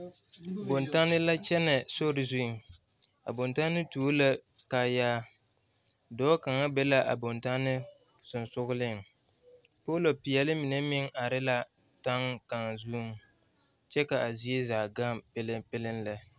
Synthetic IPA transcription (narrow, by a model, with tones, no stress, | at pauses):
bo˨nta˦nɪ˦la˦t͡ʃɛ˦nɛ˨so˦ɾɪ˨zu˦˨ | a̰˨bo˨nta˦nːɨ˦tu˨o˦la˦ | kaː˨jaː˦ | dɔː˦ka˨ŋa˦bɛ˦la˦ʔa̰˨bo˨nta˦nɪ˦ | sʊ˨nsʊ˦ɣʊ˦lɪ˦˨ŋ˨ | po˦lo˨pi˨jɛ˨lɪ˦mi˨nɛ˦mɪ˦ŋa˨ɾɪ˦la˦ | ta˦ŋka˨ŋ˨zuː˦m˨ | t͡ʃɛ˦ka˨ʔa˨zi˦e˦zaː˨ɡa˦mpɪ˦lɪ˦pɪ˦lɪ˦nla˨